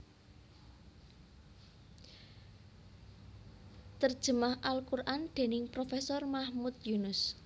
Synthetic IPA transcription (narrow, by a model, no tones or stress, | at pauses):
t̪ərd̥ʒ̥ə̤mahʔalkurʔand̪̥e̤nɪŋpɾofesɔrmahmut̪̚junʊs